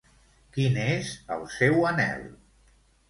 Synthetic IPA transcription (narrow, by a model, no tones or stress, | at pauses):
kinezə̰lˠsɛwənɛ̰lˠ